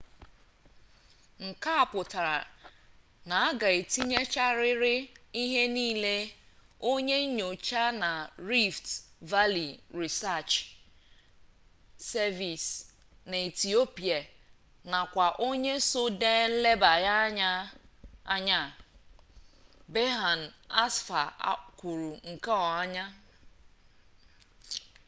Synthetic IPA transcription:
ŋ̩˨ka˦a˨pʊ˨ta˨ɾa̰˨ | na˨a˦ɡa˨e˨ti˦ɲe˦t͡ʃa˦ɾɪ˦ɾɪ˦i˦ɦe˦niː˦le˦ | o˦ɲe˦ɲo˨t͡ʃa˦na˨ɾi˦ftva˦li˨ɾi˨sa˦˨t͡ʃ | sɛ˦vi˨s | na˨i˨ti˨o˦pi˨a˨ | na˨kʷa˨ʔo˦ɲe˦so˦deː˦n̩˦le˦ba˨ja˦ɲa˦ | a˦ɲa˦˨ | be˦ɦa˨n̩˨a˦sfa̰˨˦kʷu˨ɾu˨ŋ̩˨ka˦ɔ˨a˦ɲa˦

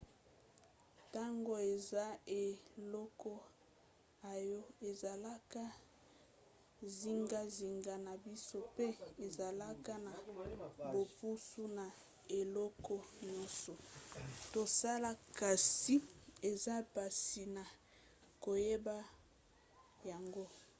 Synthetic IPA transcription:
ta˦ŋɡo˦e˨za˦e˨lɔ˦kɔ˦ | a˨jɔ˦e˨za˨la˦ka˦ | zi˦ŋɡa˦zi˨ŋɡa˦na˨bi˦so˦pe˦e˨za˨la˦ka˦na˨bo˨pu˦su˦na˨ | e˨lɔ˦kɔ˦nɔ˦so˨to˨sa˦la˦ka˨si˦e˨za˦pa˨si˨na˨ | ko˨je˦ba˦ | ja˨ŋɡo˦

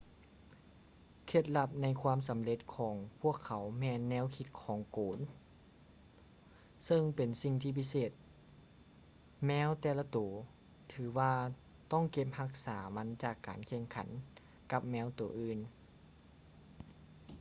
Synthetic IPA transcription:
kʰe˧˩t̪̚la˧p̚na˧˥jkʰwaː˧˥˨ms̬a˨˦mle˧˦t̪̚kʰɔː˨˩˦ŋpʰu˥˩˨əkʰːa˨˦wmɛː˧˥nːɛː˧˥˨wkʰi˧˦t̪̚kʰɔː˨˦ŋkoː˨˦n | sɤ˧˨ŋpe˨˩nsi˧ŋt̪ʰiː˧pʰi˧˥seː˧˩t̪̚ | mɛː˧˥wt̪ɛː˧˩la˧t̪oː˨˩˦ | t̪ʰɯː˨˩˦waː˧ | t̪ɔ˥˩˨ŋke˧˥p̚ha˧˥k̚saː˩˦ma˧˥nt͡ɕaː˧˩kːaː˨nkʰe˧˩ŋkʰa̰˨˦n | ka˧p̚mɛː˧˥wt̪oː˨˩ʔɯː˧˩n

